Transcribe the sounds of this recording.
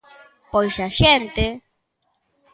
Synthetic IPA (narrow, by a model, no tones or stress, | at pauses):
pojsaʃent̪e